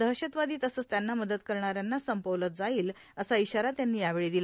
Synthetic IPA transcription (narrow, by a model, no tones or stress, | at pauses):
d̪əɦɕət̪ʋad̪iːt̪əsəːt͡st̪janːaməd̪ət̪kəɾɳ̃aɾjanːasəmpəʋlət̪̚d͡zaiːl | əsaiɕaɾat̪janːiːjaʋeɭiːd̪ila